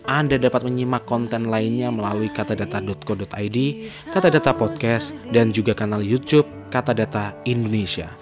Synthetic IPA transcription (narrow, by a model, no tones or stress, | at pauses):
ʔandadapat̪̚məɲimakːɔnt̪ɛnlainɲaməlaluikat̪adat̪adɔt̪̚kɔdɔt̪ajdi | kat̪adat̪apɔt̪̚kɛsdand͡ʒuɡakanaljut̪jup̚kat̪adat̪aindonesia̰